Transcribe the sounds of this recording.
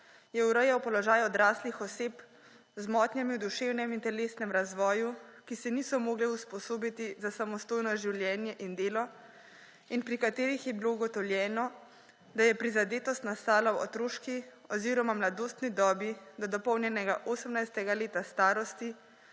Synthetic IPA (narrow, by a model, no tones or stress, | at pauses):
jɛuɾəjawpɔlɔʒaːjɔd̪ɾaːslixɔseːp | zmɔːt̪njɛmiud̪uʃeːwnɛmint̪ɛleːst̪nɛmɾazʋɔːjukisɛniːsɔmoːɡlɛuspɔsoːbit̪izasamɔst̪oːjnɔʒiwljɛːnjɛʔind̪eːlɔ | inpɾikat̪eːɾixjɛbilouɡɔt̪ɔwljɛːnɔ | d̪ajɛpɾizad̪eːt̪ɔst̪nast̪aːlawɔ̰t̪ɾoːʃkiɔziːɾɔmamlad̪oːst̪nid̪ɔːbid̪ɔd̪ɔpɔwnjɛnɛɡaʔoːsəmnajst̪ɛɡaleːt̪ast̪aːɾɔst̪i